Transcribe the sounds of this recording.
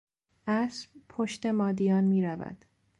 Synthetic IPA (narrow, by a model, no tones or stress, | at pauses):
ʔæsbpʰoʃt̪e̞mɒːd̪ijɒːnmiːɾævæ̰d̪̥